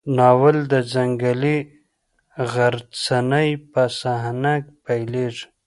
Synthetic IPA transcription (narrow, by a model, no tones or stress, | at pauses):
nɑwəld̪əzaŋɡali | ɣaɾt͡sanajpasaɦnak̚pajleʐ